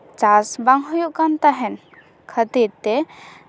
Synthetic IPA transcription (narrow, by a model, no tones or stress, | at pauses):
t͡ʃasbaŋɦujuʔkant̪aɦɛn | kʰət̪iɾt̪ɛ